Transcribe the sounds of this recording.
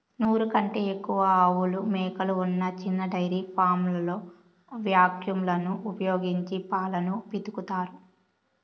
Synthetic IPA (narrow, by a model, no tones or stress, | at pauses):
nuːɾukɐɳʈeːekːuʋɐːwulumɛːkɐluunːɐt͡ʃinːɐɖɐjɾiːpʰaːmlɐlo̞ː | ʋjaːkjumlɐnuʔupɐjo̞ːɡiɲt͡ʃipaːlɐnupit̪ukut̪aːɾu